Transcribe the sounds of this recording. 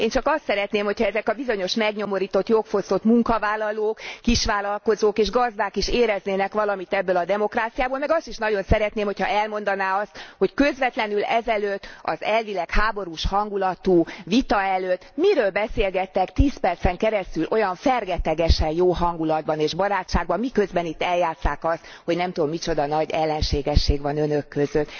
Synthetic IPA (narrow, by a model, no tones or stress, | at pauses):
eːnt͡ʃɒkɒst̪sɛɾɛt̪neːmho̞chɒɛzɛkɒbizo̞ɲo̞ʃmɛɡɲo̞mo̞ɾiːt̪o̞t̪jokfo̞st̪o̞t̪muŋkɒvaːlːɒloːkːiʃʋaːlɒlkozoːkeːʒɡɒzd̪aːkiʃeːɾɛzneːnɛkʋɒlɒmit̪ɛbːøːlɒd̪ɛmo̞kraːt̪sijaːboːlmɛɡɒst̪iʃnɒɟo̞nsɛɾɛt̪neːmho̞chɒɛlmo̞n̪d̪ɒnaːɒst̪ho̞ckø̞zʋɛt̪lɛnylɛzɛløt̪ːɒ̰zɛlvilɛkhaːbo̞ɾuʃhɒŋɡulɒt̪uːvit̪ɒɛløt̪ːmiɾøːlbɛseːlɡɛt̪ːɛkt̪iːspɛrt̪sɛŋkɛɾɛst̪ylʔo̞jɒɱfɛrɡɛt̪ɛɡɛʃɛnjoːɦɒŋɡulɒd̪̚bɒneːʒbɒɾaːt͡ʃʃaːɡ̚bɒmmikø̞zbɛnit̪ːɛljaːt̪saːkɒst̪ | ho̞ɟnɛmt̪ud̪omːit͡ʃo̞d̪ɒnɒɟɛlːɛnʃeːɡɛʃːeːɡʋɒnønøkːøzøt̪ː